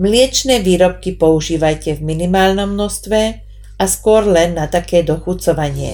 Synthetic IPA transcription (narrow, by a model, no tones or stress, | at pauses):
mlɪɛt͡ʃnɛːʋiːɾɔp̚kipɔuʒiːʋajcɛvminimaːlnɔmnɔst̪ʋɛ | askʊɔɾlɛnːat̪akɛːd̪ɔxut͡sɔʋaɲɪɛ̰